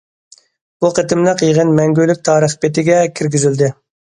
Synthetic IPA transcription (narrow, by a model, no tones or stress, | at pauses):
b̥uqʰət̪ɪmləqjiʁənmɛŋɡʲylyk̚ʲt̪ʰɑːɾəχpet̪ɪɡʲɛkʲʰiɾɡʲizyld̪ɪ